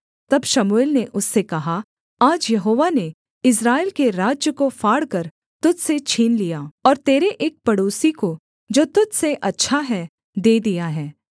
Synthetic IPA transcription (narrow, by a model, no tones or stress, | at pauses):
t̪ɐbʃɐmuelneʔʊsːekɐɦa | aːd͡ʒjɐɦoːʋane | ɪs̬ɾaːɪlkeɾaːd͡ʒjəkofaːɽkɐɾ | t̪ʊd͡ʒset͡ʃʰiːnlijaːɔːɾt̪eːɾeʔeːk̚pɐɽoːsiko | d͡ʒoːt̪ʊdseʔɐtːʃʰaɦɛ | d̪eːd̪ijaɦɛː